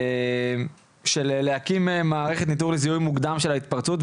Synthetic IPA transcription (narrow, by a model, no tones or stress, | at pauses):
m | ʃelelehakimemaːʁeχe̞t̪nit̪uʁlezijujmuɡd̪amʃe̞lait̪paʁt͡sut̪